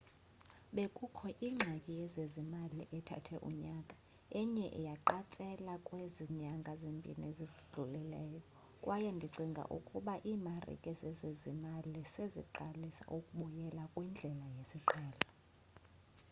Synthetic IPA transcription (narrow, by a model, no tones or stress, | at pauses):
ɓekʼukʰɔʔiːŋ͡ǁʱakʼijɛzezimaliʔɛtʰa̰tʰɛʔṵɲakʼḁ | ɛɲɛʔɛ̰jaǃat͡sʼɛlakʼweziɲaŋɡʱazembʱḭnezivɮʱulɛlɛːjɔ | kʼwʔajɛndʱiǀiŋɡʱa̰ʔṵkʼuɓaʔiːmarḭkʼɛzɛzezimalisezḭǃalisa̰ʔukʼuɓujɛlakʼwind͡ɮʱɛlajesiǃaːla